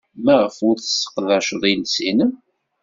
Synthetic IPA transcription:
mæʁəfʊɾθə̥sːə̥qːðæʃðˤilsinəm

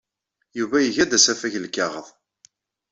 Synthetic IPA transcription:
juvæjəʝæd̪æsæfæçəlkːɑʁəðˤ

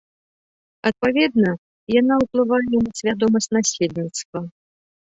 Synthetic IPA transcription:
ɐt̪̚pavʲɛd̪̚nɐ | janawplˠɨvajɛwmʲɐsʲvʲad̪ɔmɐsʲnasʲelʲnʲit̪st̪vɐ

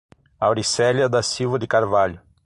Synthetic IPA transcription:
awɾisɛljɐd̪ɐsiwvɐd̪ɪkaɾvaʎʊ

